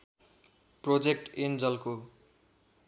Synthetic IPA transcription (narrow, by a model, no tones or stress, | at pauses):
prod͡zekʈend͡zʌlko